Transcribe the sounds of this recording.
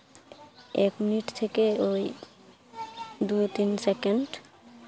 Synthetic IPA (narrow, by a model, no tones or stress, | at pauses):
ɛkminiʈt̪ʰekeoj | d̪ujt̪insekeɳɖ